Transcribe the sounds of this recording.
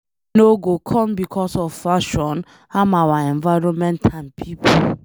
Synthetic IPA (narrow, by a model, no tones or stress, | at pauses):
noɡokʰɔ̃mbikʰɔsɔvfaʃɔ̃n | amawaɛ̃nvaɪɾɔ̃nmɛ̃ntʰãnpʰipo